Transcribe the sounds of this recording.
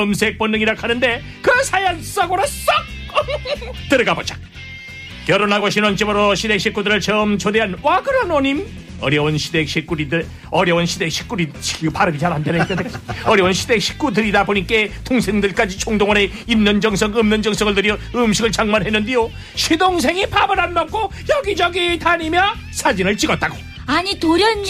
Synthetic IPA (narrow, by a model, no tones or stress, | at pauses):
ʌmsʰek̚p͈onːɯŋiɾakʰanɯnde̞ | kɯsʰajans͈aɡoɾas͈ʌk̚ | tɯɾɯɡabot͡ɕʰḁk̚ | kjʌɾonɦaɡoɕʰinwʌnt͡ɕibʌɾoɕʰidekɕʰik͈udɯɾɯɭt͡ɕʌmt͡ɕʰod̪eɦanwaɡɯɾʌnʌɲim | ʌɾjʌwonɕʰid̪ek̚ɕʰik͈uɾidɾ | ʌɾjʌwonɕʰidekɕʰi̥k͈uɾiɕʰi̥paɾɯmid͡ʑaɾɦandenɯit͈ekaʌɾjʌnɕʰidekɕʰi̥k͈udɯɾidaboɲik͈e̞tʰoŋsʰeŋdɯɭk͈ad͡ʑit͡ɕʰoŋd̪oŋʌne̞ | imnʌnd͡ʑʌŋsʰʌŋɯmnʌnd͡ʑʌŋs͈ʰʌŋɯɭdɯɾjʌɯmɕʰiɡɯɭt͡ɕʰaŋmanɦenːɯndejo | ɕʰidoŋsʰe̞ŋipʰabɯɾɦanːʌk̚k͈ojʌɡid͡ʑʌɡitʰaɲimjʌ | sʰad͡ʑinɯɭt͡ɕiɡʌt̚t͈aɡo̥ | aɲitoɾjʌn